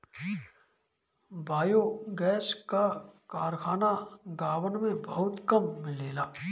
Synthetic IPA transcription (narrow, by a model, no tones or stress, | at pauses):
bʱaːjoɡɛːskakaːɾkʰaːnaɡaːwənmẽbəɦʊt̪kɐmːɪleːlaː